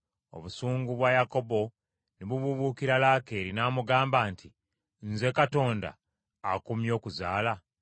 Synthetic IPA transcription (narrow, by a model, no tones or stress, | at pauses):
o̞̰βusuːŋɡuβwajako̞bo̞ | niβuβuβukiɾalaːke̞ːɾinaːmuɡaːmbaːnti | nze̞kato̞ːnda̰ː | kumjo̞ːkuzaːla